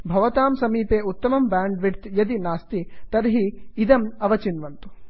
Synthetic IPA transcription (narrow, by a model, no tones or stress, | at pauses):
bʱɐʋɐt̪aːmsɐmiːpeːut̪ːɐmɐmbaːɳɖʋiʈt̪jɐd̪inaːst̪it̪ɐɾɦiid̪ɐmɐʋɐt͡ʃinʋɐnt̪u̥